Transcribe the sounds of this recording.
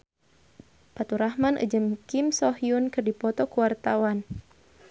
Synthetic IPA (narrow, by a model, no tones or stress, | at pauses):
pat̪uɾahmanʔə̰d͡ʒəmkimsɔɦiunkɨrdipɔt̪ɔkuwart̪awan